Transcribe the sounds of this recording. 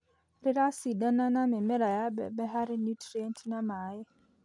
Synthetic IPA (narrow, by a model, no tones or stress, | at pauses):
rɪɾasidananamɪmɪɾajabɛ̰bɛɦaɾɪnjutriɛntʰnamaːɪ